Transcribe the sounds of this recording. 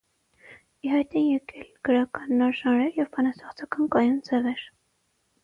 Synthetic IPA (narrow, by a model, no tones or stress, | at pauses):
iɦɑjt̪ɛnjɛkʰɛlɡ̥əɾɑkɑnːɑɾʒɑnɾɛɾjɛvpʰɑnɑsɑχt͡sʰɑkɑnkɑjund͡zɛvɛɾ